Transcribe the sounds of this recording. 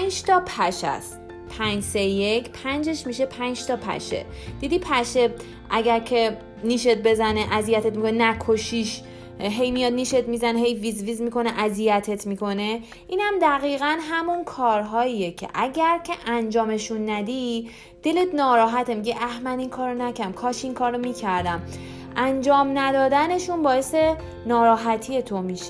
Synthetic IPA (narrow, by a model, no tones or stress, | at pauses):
nd͡ʒt̪ʰɒːpʰæʃæ̰st̪ | pʰænd͡ʒsejecʰpʰænd͡ʒe̞ʃmiʃe̞pʰænd͡ʒt̪ʰɒpʰæ̰ʃḛ | d̪̥id̪ipʰæʃe | ʔæɟæɾcʰe̞ | niːʃet̪̚be̞zæneʔæzijæt̪ʰet̪mikonenækʰoʃiʃ | ɦejmijɒːd̪̚niːʃe̞t̪mizæneɦejvizviːzmiko̞neʔæzijæt̪ʰe̞t̪ʰmiko̞ne̞ | ʔiːnhæmd̪æɣiːɣænɦæmunkʰɒːɾɦɒːijecʰḛʔæɟæɾcʰe̞ʔænd͡ʒɒːme̞ʃunːæd̪i | d̪̥e̞le̞t̪nɒːɾɒːɦæt̪ʰemiɟiʔæhmæniŋkʰɒːɾronæcʰæmkʰɒːʃiŋkʰɒːɾːomicʰæɾd̪æm | ænd͡ʒɒːmnæd̪ɒːd̪æne̞ʃunbɒːe̞se̞ | nɒːɾɒːɦæt̪ʰije̞t̪ʰo̞miʃe